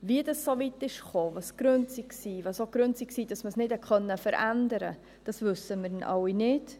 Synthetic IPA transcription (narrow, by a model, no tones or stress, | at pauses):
viədɑsːovitɪʃχoːvɑsɡ̥ɾønt͡siksiːvɑsoɡ̥ɾʉnt͡siksiːd̥ɑsməsnɪdɛkʰχœnːəfəɾʔændəɾə̰ | d̥ɑsvʉsəmɪɾɪnʔɑ̰wːinɪd